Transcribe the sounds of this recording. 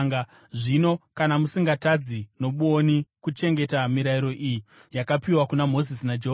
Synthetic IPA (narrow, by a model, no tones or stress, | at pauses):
a | ʐino̞kanamusiŋɡatad͡zinoɓuonikut͡ʃe̞ŋɡe̞tamiɾaiɾo̞ʔijijakapiwakunamo̞zisinad͡ʒeɦo